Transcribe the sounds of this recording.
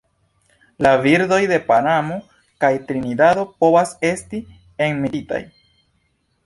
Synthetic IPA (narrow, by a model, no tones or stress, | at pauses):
laviɾdo̞jde̞panamo̞ | kajtɾinidado̞po̞vase̞sti | enmiɾita̰j